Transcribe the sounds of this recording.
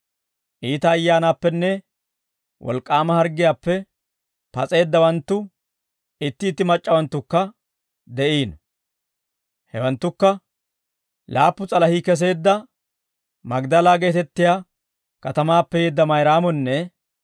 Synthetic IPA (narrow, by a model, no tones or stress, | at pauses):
ʔiːt̪ɐːjːaːnaːpːɛnːɛ | wʔɔ̰lkʼːaːmɐhɐɾɡɪjaːpːɛ | pɐt͡sʼe̞ːd̪ːɐwɐnt̪ːʊ | ɪt̪ːɪːt̪ːɪmɐt͡ʃʼːɐwɐnt̪ːʊkːɐ | d̪ɛʔiːn | hɛwɐnt̪ːʊkːɐ | laːpːʊt͡sʼɐlɐhikɛs̬e̞ːd̪ːɐ | mɐɡd̪ɐlaːɡeːt̪ɛt̪ːɪjaː | kɐt̪ɐmaːpːɛjeːd̪ːɐmɐjɾaːmɔnːɛ